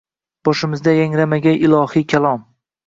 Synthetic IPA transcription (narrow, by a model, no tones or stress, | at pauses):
b̥ɒʃɪmɪzd̪ajaŋɾamaɡʲanɪlˠɒhikʲʰalˠɒm